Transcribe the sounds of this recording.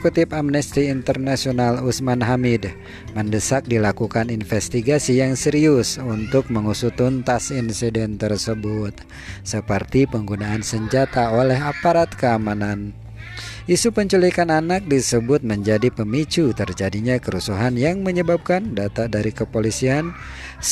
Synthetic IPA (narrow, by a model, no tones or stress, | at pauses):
kut̪ɪpamnɛst̪iːnt̪ərnasionalusmanɦamɪd | məndəsak̚dilakukaninfɛst̪iɡasijaŋsɛɾiʊsunt̪ʊk̚məŋusut̪unt̪asinsidɛnt̪ərsəbʊt̪̚ | səpərt̪ipəŋɡunaːnsəɲd͡ʒat̪aolɛɦapaɾat̪̚kəamanan | ʔisupəɲt͡ʃulikananak̚disəbʊt̪̚məɲd͡ʒadipəmit͡ʃut̪ərd͡ʒadiɲakəɾusuɦanjaŋməɲəbap̚kandat̪adaɾikəpolisian